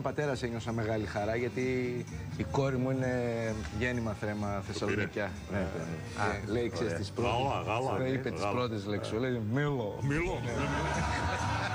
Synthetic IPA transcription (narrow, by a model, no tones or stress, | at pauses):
pɐt̪e̞ɾɐseɲo̞sɐme̞ɣɐlixɐɾɐʝɐt̪i | iko̞ɾimuine̞ʝenimɐθɾe̞mɐθe̞sɐlo̞nicɐ | ne | elejiksest̪ispɾoɣaleipetispɾot̪ezleksolejmilomilone